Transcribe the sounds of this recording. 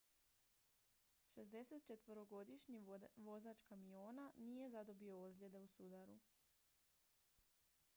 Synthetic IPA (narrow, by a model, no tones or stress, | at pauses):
ʃe̞zd̪e̞se̞t̪̚t͡ʃe̞t̪ʋoɾoɡo̞d̪iʃɲiʋo̞zaːt͡ʃkamioːnanije̞zad̪o̞bio̞ozlʲe̞d̪e̞usud̪aɾu